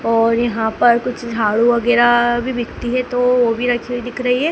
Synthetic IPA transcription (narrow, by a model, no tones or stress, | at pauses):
ɔːɾjɐɦãpɐɾkʊt͡ʃʰd͡ʒʱaːɽuʋɐɡɛːɾabʱibʱɪkt̪iɦɛt̪oʋobʱiɾɐkʰed̪ɪkʰɾɐɦiɦɛː